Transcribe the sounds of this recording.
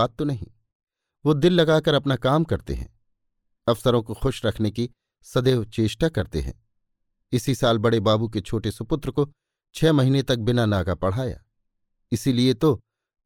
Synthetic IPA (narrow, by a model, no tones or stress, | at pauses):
aːt̪ːonɐɦḭ̃ː | ʋod̪ɪlːɐɡaːkɐɾɐpnakaːmkɐɾt̪ḛɦɛ̰̃ː | ɐfsəɾõkoxʊʃɾɐkʰneki | sɐd̪eːʋt͡ʃeːʃʈakɐɾt̪ḛɦɛ̰̃ː | ɪsisaːlbɐɽebaːbuk̬et͡ʃʰoːʈesʊpʊt̪ɾəko | t͡ʃʰɛːmɐɦiːnet̪ɐk̚bɪnanaːkapɐɽ̤aːja̰ː | ɪsiliet̪o